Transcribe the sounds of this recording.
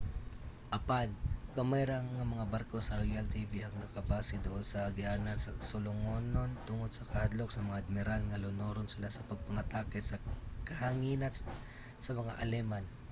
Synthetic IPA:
ʔɐpankomɛjɾaŋːɐmɐŋabaɾkosɐɾojalt̪iːviʔɐŋnɐkɐbaːsɪd̪ʊʔonsɐɡɪʔaːnansɐsʊlʊŋonont̪ʊŋod̪̚sɐkɐhad̪lok̚sɐmɐŋaʔɐd̪̚mɪɾalŋɐlʊnoːɾonsɪlasɐpɐɡ̚pɐŋɐt̪aːkɛsɐkɐhaŋiːna | sɐmɐŋa̰ʔɐlɛman

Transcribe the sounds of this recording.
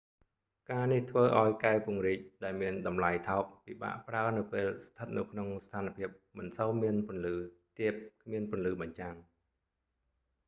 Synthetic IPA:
kaːniht̪ʰʋəːʔaɔjkaɛpŭəŋriːc̚ɗaɛlmiənɗɑmlajt̪ʰɑɔp̚piːɓa̰ːʔpraənɨwpeːlst̪ʰət̪̚nɨwkʰnoŋst̪ʰaːnpʰiəp̚mɨnsowmiənpʊ̆ənlɨːt̪iəp̚kʰmiənpʊ̆ənlɨːɓɑɲt͡ɕaŋ

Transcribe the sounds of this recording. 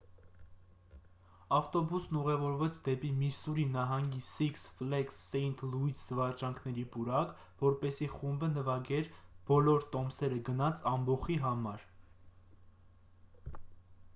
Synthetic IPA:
ɑft̪ɔbusnuʁɛvɔɾvɛt͡sʰd̪ɛpimisuɾinɑɦɑŋɡisiksflɛksːɛjnt̪ʰluiszəvɑt͡ʃɑŋkʰnɛɾipuɾɑk | vɔɾpɛsiχumbənəvɑɡɛɾb̥ɔlɔɾt̪ɔmsɛɾəɡənɑt͡sʰɑmbɔχiɦɑmɑɾ

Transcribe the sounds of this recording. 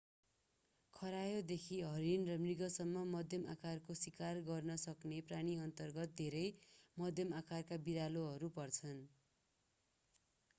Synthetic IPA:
kʰʌɾajod̪ekʰiɦʌɾinrʌmriɡʌsʌmːʌmʌd̪ʱjʌmakarkosikarɡʌrnʌsʌknepraɽ̃iʌnt̪ʌrɡʌt̪̚d̪ʱeɾʌjmʌd̪ʱjʌmakarkabiɾaloɦʌɾupʌrt͡sʰʌn

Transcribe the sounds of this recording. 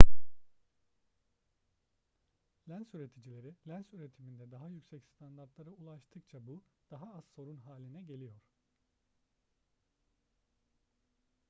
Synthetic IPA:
lʲænsyɾe̞t̪ʰid͡ʒilʲe̞ɾilʲænsyɾe̞t̪ʰimind̪ɛd̪aɦajycsɛcst̪ʰand̪aɾt̪lˠaɾɯulˠaʃt̪ʰɯkt͡ʃʰabud̪̥aɦaazso̞ɾunɦaːlʲinɛɟe̞lʲijo̞ɾ̥

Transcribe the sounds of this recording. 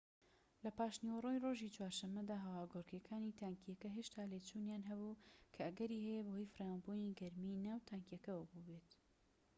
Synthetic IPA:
lɐpaːʃniwrojroʒit͡ʃwaːɾʃɐmːɐd̪aːɦɐwaːɡoɾkekʰaːnit̪ʰaŋkʰijɛkɐɦeːʃt̪ʰaːleːt͡ʃunjaːnɦɐbukʰɐɐɡɐɾiːhɛjebəhojfrawanbuniːɡɐɾminaːwt̪ʰaŋkjɛkɐwɐbubet̪

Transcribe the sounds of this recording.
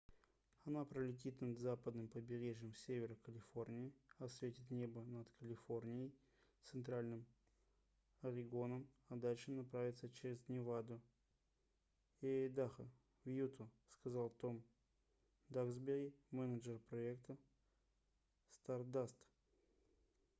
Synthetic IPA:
ɐnapɾəlʲɪt̬ʲit̪nad̪zapəd̪nɨmpəbʲɪɾʲeʐjəmfsʲevʲɪɾəkəlʲɪfo̞rnʲɪɪɐsvʲetʲɪt̪nʲe̞bənat̪kʰəlʲɪfo̞rnʲɪjəj | t̪sɨnt̪ɾalʲnɨm | ɐɾʲɪɡo̞nəm | ɐd̪alʲʂɨnɐpɾavʲɪt̪sət͡ɕeɾʲɪznʲɪvad̪ʊ | jed̪axə | vjut̪ʰəskɐzalˠt̪om | d̪aɡzbʲɪɡʲɪmɛnəd͡ʒərpɾɐekt̪ə | st̪ard̪ast̪

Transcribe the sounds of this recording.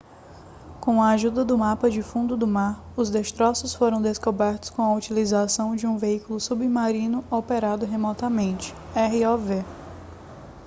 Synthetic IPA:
kõw̃ɐaʒud̪ɐd̪ʊmapɐd͡ʒɪfũnd̪ʊd̪ʊmaɾ | ʊzd̪est̪ɾɔsʊsfoɾɐ̃w̃d̪eskobɛɾt̪ʊ̥skõɐut͡ʃilizasɐ̃w̃d͡ʒɪũveikʊlʊsubimaɾĩnʊopeɾad̪ʊɦemɔt̪ɐmẽnt͡ʃɪ̥ɛɦiɔve

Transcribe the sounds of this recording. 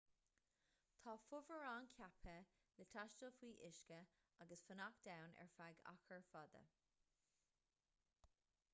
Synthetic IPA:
t̪ʰɑːfʊvəɹaːnkʰapʰə | lət̪ʰaʃtəfwiːʔɪʃkə | aɡəsfənakd̪̥awnɛ̰ɹfaɡa̰xəɹfɔd̪ə̰

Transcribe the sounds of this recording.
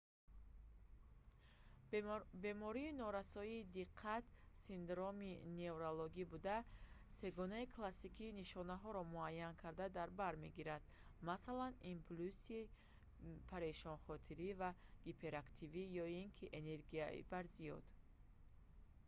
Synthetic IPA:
be̞mɔɾiːnɔɾasɔiːd̪iqʰːat̪sind̪ɾomine̞uɾoloɡibud̪ase̞ɡɔnaikʰlasikʰiːniʃɔnaɦɔɾɔmuajːankʰaɾd̪ad̪aɾbaɾme̞ɡiɾad̪̥ | masalanimpʰlusi | pʰaɾeʃɔnχɔt̪ʰiɾivaɡ̥ipʰeɾakt̪ʰivijɔiŋkʰiʔene̞ɾɡia̰ḭbaɾzijɔd̪̥

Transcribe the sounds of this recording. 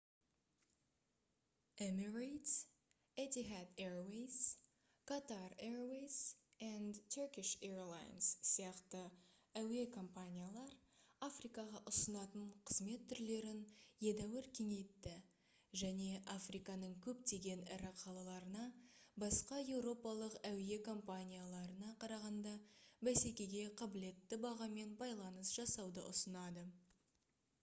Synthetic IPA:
emiɹejt̪s | et̪iɦat̪eɹwejs | kʰat̪areɹwejsænd̪t̪ʰøkʲɪʃeɹlˠa̰jnsːijɑqt̪ə | æwe̞kʰo̞mpanʲijalˠɑɾ | afrijkɑʁɑʔʊsənɑt̪əɴqʰəz̥me̞t̪ʰːʏɾle̞ɾɪnje̞d̪æwɪɾkʲʰe̞ŋe̞t̪ːɪ | ʒæne̞ʔafrijkɑnəɴkʲʰɵp̚t̪e̞ɡʲe̞nɪ̰ɾɪqʰɑlˠɑlˠɑɾənɑbɑsqɑje̞wɾo̞pɑlˠəqæwe̞kʰo̞mpanʲijalˠɑɾənɑqʰɑɾɑʁɑnd̪ɑbæsekʲe̞ɡʲe̞qʰɑbɪle̞t̪ːɪbɑʁɑme̞nbɑjlˠɑnəsʒ̥ɑsɑwd̪əʔʊsənɑd̪ə

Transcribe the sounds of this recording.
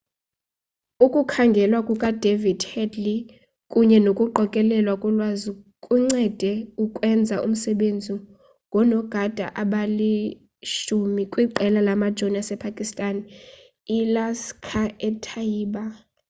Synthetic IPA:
ukʼukʰaŋɡʱɛlwakʼukʼad̥ʱevid̥hɛdli | kʼuɲɛnokʼuǃɔkʼɛlɛlwakʼulwazukʼuŋ͡ǀɛd̥ʱɛukʼwɛnd͡zʱaʔṵm̩sɛɓend͡zʱi | ŋɡʱɔnɔɡ̥ʱad̥ʱa̰ʔaɓali | ʃumikʼwiǃɛlalamad̥ʒ̥ʱoniasɛpʰakʼistʼan | ilaskʰaɛtʰaiːɓa

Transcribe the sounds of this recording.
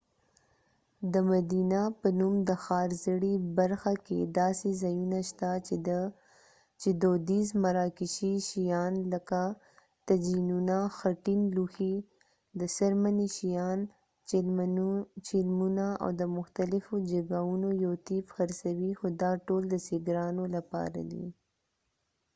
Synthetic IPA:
d̪əmad̪inapənumd̪əxɑɾzəɽibaɾxakḛd̪ɑsezajunaʃt̪a | t͡ʃed̪od̪izmaɾɑkɪʃiʃijɑnləka | t̪ad͡ʒinunaxaʈinluxi | d̪əsaɾmaniʃijɑn | t͡ʃɪlmunaa̰wd̪əmʊxt̪alɪfod͡ʒaɡaunojowt̪ifxaɾsawixod̪ɑʈoːld̪əsɪɡɾɑnolapɑ̰ɾa̰d̪ḭ

